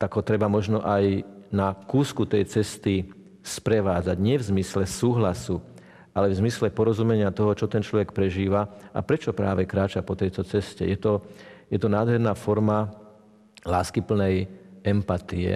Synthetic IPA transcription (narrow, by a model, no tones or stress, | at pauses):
t̪aɡɦɔt̪ɾɛbamɔʒnɔʔajnakuːskut̪ɛjt͡sɛst̪i | spɾɛʋaːd͡zaɟɲɪɛvzmislɛsuːɦlasu | ʔalɛvzmislɛpɔɾɔzumɛɲɪat̪ɔɦɔt͡ʃɔt̪ɛnt͡ʃlɔʋɛkpɾɛʒiːʋaʔa̰pɾɛt͡ʃɔpɾaːʋɛkɾaːt͡ʃapɔt̪ɛjt̪ɔt͡sɛscɛ̰jɛt̪ɔjɛt̪ɔnaːd̪ɦɛɾnafɔɾma | laːskipl̩nɛjɛmpat̪iɛ̰